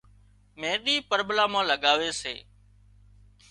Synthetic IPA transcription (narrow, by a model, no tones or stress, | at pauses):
mẽːɗiːpəɾblaːmãːləɠaːʋeːsḛː